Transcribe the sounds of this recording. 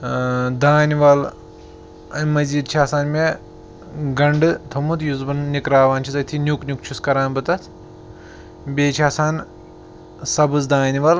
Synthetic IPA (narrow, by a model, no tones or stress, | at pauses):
d̪aːniʋɐl | ɐnʲmɐziːd̪̚t͡ʃʰaːsaːnme | ɡɐɳɖɨt̪ʰɐmut̪juzbɐnnikɾaːʋaːnt͡ʃʰizɐt̪ʰinʲjuknʲuk̚t͡ʃʰuskɐɾaːnbɨt̪ɐt̪ʰ | bʲeːt͡ʃʰaːsaːn | sɐbɨzd̪aːniʋɐl